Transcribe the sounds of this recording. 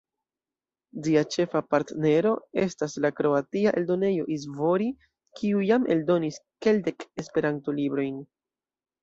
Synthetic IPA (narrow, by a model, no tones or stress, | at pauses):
d͡ʒiat͡ʃe̞fapaɾtne̞ɾo̞e̞staslakɾo̞atiaʔe̞ldo̞ne̞jo̞ʔiz̬vo̞ɾi | kʰiujamʔe̞̰ldo̞niske̞lde̞kespe̞ɾanto̞libɾo̞jn